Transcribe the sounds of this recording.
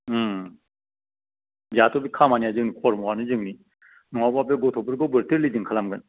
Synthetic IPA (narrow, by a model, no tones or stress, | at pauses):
zat̪ʰɔbikʰamanijazɯŋnikʰɔɾmɔwanɯzɯŋni | nɔŋabapeɡotʰɔpʰɯɾɡowbɯɾt̪ʰiɾlid͡ʒɯŋkʰalamɡɯn